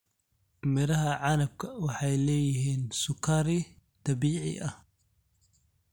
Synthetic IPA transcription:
mɪɾɐɦɐʕɑnɐb̚kʰɐwɑħɑjlɛːjɪɦiːnsʊkʰːɐɾɪt̪ɑbiːʕɪ̰ʔɐh

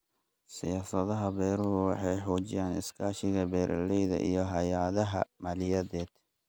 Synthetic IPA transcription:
sɪjaːsɐðɐɦɐbɛːɾʊɣʊwɑħɑjħɔːt͡ʃɪjaːnɪ̰skʰaːʃɪɣɐbɛːɾʔɐ̰lɛjðɐ̰ʔḭjɞɦɐjaːðɐɦɐ̰mɐlɪjɐðɛːd̪̥

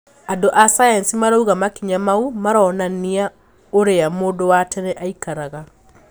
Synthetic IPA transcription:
adoʔasajansimaɾauɣamakiɲamaumaɾaɔnania | oɾeamoːdowatʰɛnɛʔaikaɾaɣa

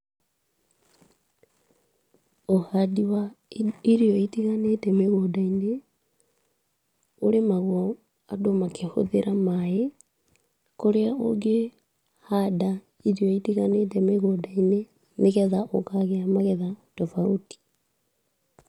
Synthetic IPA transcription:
ohadiwaiɾiɔitiɣanetɛmeɣodaine | oɾemaɣwɔ | adomakʰeho̰ðeɾamae | koɾeaʔo̰ɡe | hada | iɾiɔitiɣanetɛmeɣoːdaine | neɣɛðaʔokaɣeamaɣɛðaotɔfauti̥

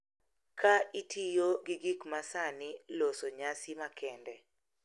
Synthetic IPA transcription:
kʰaitʰijoɡiɡikmasanɪlosoɲasɪmakʰɛndɛ

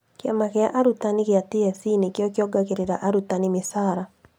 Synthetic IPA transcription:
kɪamakɪa̰ʔaɾutanɪkɪatiɛsinekjɔkjɔɡakeɾeɾaʔaɾutanɪmɪsaɾa

